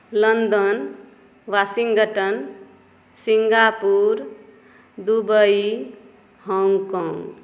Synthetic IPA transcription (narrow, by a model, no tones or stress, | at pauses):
lənd̪ən | ʋasiŋɡəʈən | siŋɡapuɾ | d̪ubəi | ɦɔŋɡkɔ̃ŋɡ